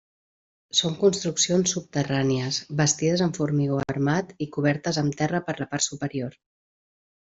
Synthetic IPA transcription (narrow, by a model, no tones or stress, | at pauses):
soŋkunst̪ɾuksionsːup̚t̪əraniəzbəst̪iðəzəɱfuɾmiɣoəɾmat̪ikuβ̞ɛɾt̪əzəmt̪ɛrəpəɾləpaɾt̪supəɾioɾ